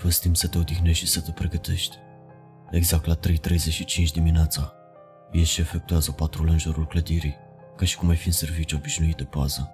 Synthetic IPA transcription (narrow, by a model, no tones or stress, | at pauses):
vəst̪imsət̪e̞od̪ixneʃt̪isət̪əpɾeɡət̪e̞̰ʃt̪ʲ | eɡzak̚t̪lat̪ɾejt̪ɾejzeʃit͡ʃint͡ʃd̪imineat̪sa | jeʃiefek̚t̪uazəpat̪ɾulənʒoɾulkləd̪iɾi | kaʃi̥kumajfinservit͡ʃuo̞biʃnuit̪̚d̪epaz̥ə